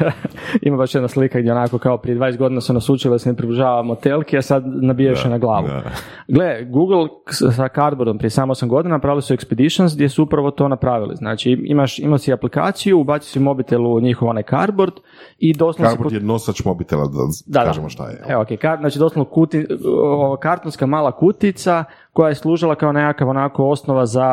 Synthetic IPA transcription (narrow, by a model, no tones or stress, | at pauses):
ḭmambaʃjed̪naslikaɡd̪jeonako̞kaopɾijed̪ʋaːnest̪ɡo̞d̪inaseonasut͡ʃilid̪asenepɾibluʒaːʋamot̪elˠkiasad̪nabijaʃenaɡlˠaːʋṵ | ɡleɡuɡl̩ˠ | ssakaɾd̪boɾd̪ompɾiesaːmosamɡo̞d̪inanapɾaːʋilisueksped̪iʃonsɡd̪je̞suupɾaʋo̞t̪o̞ːnapɾaʋilḭznaːt͡ʃiḭmaʃḭmasiaplika̰ːt̪sijubasi̥simo̞bit̪elˠuɲixoʋo̞najka̰ɾboɾd̪ | id̪oslnasejenosat͡ʃmobit̪ela̰d̪a̰d̪aaa̰ʒḛo̰ʃt̪a̰jeokejkaznaːt͡ʃid̪oslokut̪iookaɾt̪onskamaːlˠakut̪it̪sa | ko̞jaje̞slˠuːʒilˠakaonekakaʋonako̞o̞snoʋaza